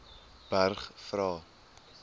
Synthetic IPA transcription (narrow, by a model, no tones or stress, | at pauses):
b̥ærχfrɑː